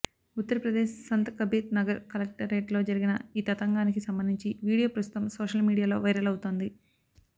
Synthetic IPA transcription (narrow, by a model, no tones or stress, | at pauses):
ut̪ːɐɾɐpɾɐd̪eːʃsɐnt̪ɐkɐbiːt̪̚nɐɡɐɾkɐlek̚ʈɐɾːeːʈlo̞ːd͡ʒɐɾiɡinɐiːt̪ɐt̪ɐŋɡaːnik̬isɐmbɐnd̪iɲt͡ʃiʋiːɽijoːpɾɐst̪u̥t̪ɐmsoːʂɐlmiːɽijaːlo̞ːʋɐjɾɐlɐwut̪oːnd̪i